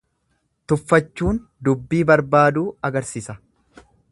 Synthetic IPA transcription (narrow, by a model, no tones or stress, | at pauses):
t̪ʊfːɐt͡ʃːuːn | d̪ʊbːiːbɐɾbaːd̪uːɐɡɐɾsɪsɐ